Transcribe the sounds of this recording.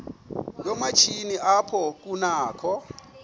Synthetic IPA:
jɔmat͡ʃʰiniʔapʰɔk̬ʼunaːkʰɔ

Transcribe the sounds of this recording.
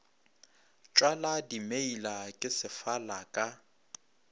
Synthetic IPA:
t͡ʃʼwaladimeilakʼɪsɪfalakʼa

